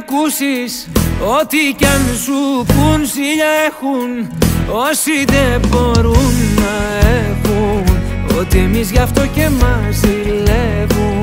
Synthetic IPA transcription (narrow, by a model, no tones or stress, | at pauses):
kusiso̞t̪icɐnsupunsiʎɐe̞xuno̞siðebo̞ɾunːɐevun | o̞t̪ie̞mizʝɐft̪o̞ce̞mɐzði | le | vun